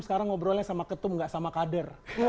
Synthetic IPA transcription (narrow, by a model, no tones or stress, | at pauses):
sə̥kaɾaŋːobəɾolasamakət̪ʊmŋɡaʔsamakadər